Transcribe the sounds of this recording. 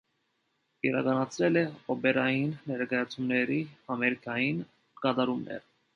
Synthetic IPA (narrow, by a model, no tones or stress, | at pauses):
iɾɑkɑnɑt͡sʰɾɛlɛɔbɛɾɑjinːɛɾkɑjɑt͡sʰumnɛɾiɑmɛɾikɑjin | kɑt̪ɑɾumnɛ̰ɾ